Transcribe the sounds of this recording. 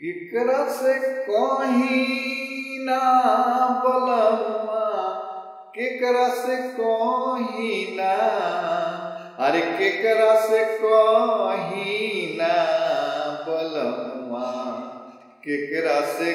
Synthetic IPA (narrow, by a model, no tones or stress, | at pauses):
kekɾasekɔ̃ɦi | na | bələma | kekɾasekɔɦina | aɾekekəɾasekɔ̃ɦina | bələma | kekɾase